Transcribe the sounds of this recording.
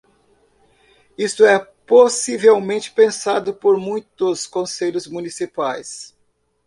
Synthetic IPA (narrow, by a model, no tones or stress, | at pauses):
ist̪ʊɛ | posivewmẽnt͡ʃɪ̥pẽsad̪ʊpoɾmũj̃t̪ʊskõseʎʊzmũnisipajs